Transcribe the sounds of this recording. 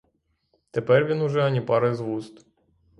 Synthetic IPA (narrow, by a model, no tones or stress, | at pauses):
t̪epɛrʋʲinʊʒɛɐnʲipɑɾɪzʋust̪